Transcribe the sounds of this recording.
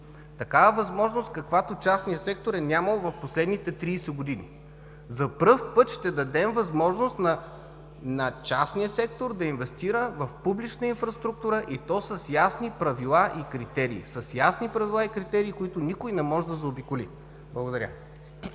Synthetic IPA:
t̪ɐkavəvɐzmɔʒnost̪̚kɐkvat̪ot͡ʃasnijəsɛk̚t̪oɾɛnʲaməlˠovɐfposlɛd̪nit̪ɛt̪ɾiːsɛɡod̪inḭ | zɐpɾɤfpɤt̪ʃt̪ɛd̪ɐd̪ɛmvɐzmɔʒnost̪nɐ | nɐt͡ʃasnijəsɛkt̪oɾd̪ɐinvɛst̪iɾəvɐfpublit͡ʃnəinfɾɐst̪ɾuk̚t̪uɾəʔit̪ɔsɐsjasnipɾɐvilˠaʔikɾit̪ɛɾḭːsəsjasnipɾɐvilˠaikɾit̪ɛɾiːkoit̪ʊnikojnɛmɔʒɛd̪ɐzɐobikʊlḭ | blˠəɡod̪ɐɾʲə̰

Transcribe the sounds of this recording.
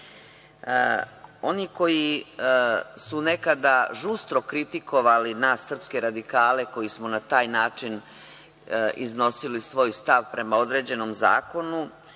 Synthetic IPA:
o̞niːko̞ji | sune̞kad̪aʒust̪ɾo̞kɾit̪iko̞ʋalinaːsːr̩pske̞ɾad̪ikaːle̞ko̞jismo̞nat̪aːjnaːt͡ʂin | ḭzno̞silisʋo̞ːjst̪aʋpɾe̞mao̞d̪ɾe̞ːd͡ʑe̞no̞mza̰ːko̞nu

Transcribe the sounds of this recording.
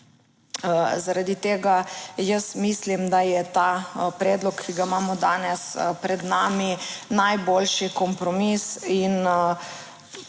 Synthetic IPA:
zaɾad̪it̪eːɡajəsmislimd̪ajɛt̪apɾɛːd̪lɔkːiɡaimaːmɔd̪aːnɛspɾɛd̪naːminajboːlʃikɔmpɾɔmisin

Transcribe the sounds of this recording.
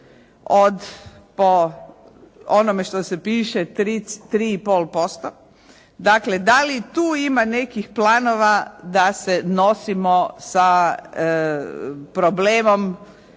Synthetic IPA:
od̪ | po | onome̞ʃt̪osepiːʃet̪ɾit̪ɾiːipolpo̞st̪o | d̪akle̞d̪alit̪uːimane̞kixplaːnoʋad̪aseno̞simosa | pɾobleːmom

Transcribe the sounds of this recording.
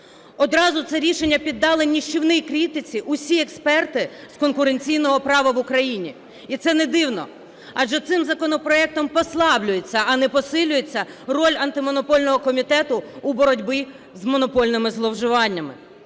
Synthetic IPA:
ɔd̪ɾɑzʊt̪sɛɾʲiʃenʲːɐpʲid̪ːɑlˠɪnʲiʃt͡ʃɪwnɪjkɾʲit̪ɪt͡sʲiʔʊsʲiɛkspɛrt̪ɪskɔnkʊɾenʲt͡sʲijn̪ɔɦɔpɾɑʋɐʋʊkɾɐjinʲi | it̪sɛnɛd̪ɪwnɔ̰ | ɑd͡ʒɛt̪sɪmzɐkɔnɔpɾɔɛk̚t̪ɔmpɔslˠɑblʲʊjet͡sʲːɐɐnɛpɔsɪlʲʊjet͡sʲːɐrɔlʲɐnt̪ɪmɔnɔpɔlʲnɔɦɔkɔmʲit̪ɛt̪ʊːbɔɾɔdʲbɪ | zmɔnɔpɔlʲnɪmɪzlˠɔwʒɪʋɑnʲːɐmɪ̰

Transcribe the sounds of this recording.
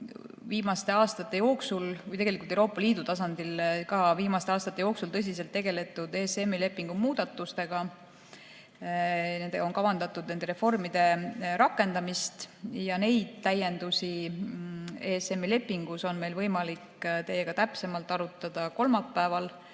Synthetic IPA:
viːmɑst̪e̞ɑːst̪ɑt̪ːˑe̞jo̞ːksulvujt̪eɡe̞likult̪euwɾo̞ːpːˑɑliːd̪ut̪ɑs̬ɑnd̪̥ilkɑːviːmɑst̪eɑːst̪ɑt̪ːˑe̞jo̞ːksult̪ɤs̬ʲis̬elt̪ːe̞ɡe̞le̞t̪ːˑud̪̥eːsemːile̞pːˑiŋɡ̥umuːd̪̥ɑt̪ːˑust̪e̞ɡ̥ɑ | ne̞nd̪e̥o̞nkɑvɑnd̪ɑt̪ːˑud̪ne̞nd̪e̞ɾe̞fo̞rmid̪̥e̞ɾɑkˑːe̞nd̪ɑmist̪jɑne̞jd̪̥̚t̪æje̞nd̪usʲi | eːse̞mːile̞pːˑiŋɡ̥uso̞nme̞jlvɤjmɑlikt̪e̞jeɡ̥ɑt̪æpse̞mɑlt̪ːˑɑɾut̪ːˑɑd̪̥ɑko̞lmɑpːæːvɑl

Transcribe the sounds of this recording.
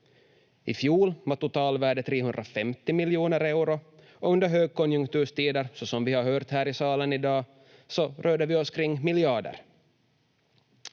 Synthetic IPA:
ɪfjuːlvaʈʊt̪ʰɑːlvæːɖət̪ʰɾeːɦɵnd̪ɾafɛmt̪ɪmɪljuːnəɾɛʉɾʊ | ɔɵnd̪əɾɦøːɡ̚kɔnjɵŋkt̪ʉːʂt̪iːd̪əɾsɔsɔmvɪhaɾɦœːɾt̪hæːɾɪsɑːlənɪd̪ɑː | sɔɾʔøːɖ̪dəvɪɔskʰɾɪŋːmɪljɑːɖə̰ɾ

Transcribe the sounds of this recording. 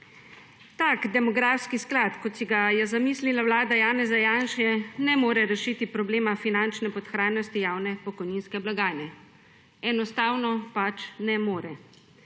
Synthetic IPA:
t̪akd̪ɛmɔɡɾaːfskisklat̪kɔt̪siɡajɛzamiːslilawlaːd̪ajaːnɛzajaːnʃɛnɛmoːɾɛɾɛʃit̪ipɾɔbleːmafinant͡ʃnɛpɔt̪xɾaːjnɔst̪ijaːwnɛpɔkɔjniːnskɛblaɡaːjnɛ | ɛnɔst̪aːwnɔpat͡ʃnɛmoːɾɛ

